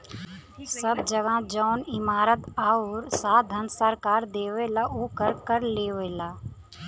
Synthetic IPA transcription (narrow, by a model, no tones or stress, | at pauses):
səbd͡ʒəɡãːd͡ʒaːnɪmaːɾət̪aːoɾsaːd̪ʱansəɾkaːɾd̪eːʋeːlaʔoːkəɾkəɾleːʋeːlaː